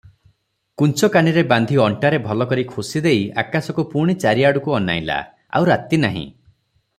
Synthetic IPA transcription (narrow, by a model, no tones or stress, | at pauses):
kunt͡ʃɔkaniɾeband̪ʱiɔɳʈaɾebʱɔlɔkɔɾikʰusid̪eja̰kasɔkupuɾɽ̃it͡ʃaɾiaɽukuɔna̰ila̰ | a̰wɾat̪inaɦḭ̃